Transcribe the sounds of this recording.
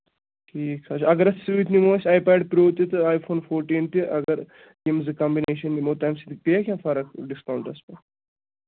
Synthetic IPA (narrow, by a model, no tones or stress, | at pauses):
ʈʰiːksɐt͡ʃʰɐɡɐɾɐssiʋit̪ʰnimoːsʲaːjpaːɖpɾoːt̪it̪ɨaːjfʰoːnfʰoːɾʈiːnt̪iʔɐɡɐɾ | jimzɨkɐ̃mbineːʃɐnːimoːt̪ɐːmsit̪ipeakʲjãːfɐɾɐkɖiskɐwɳʈɐspɐ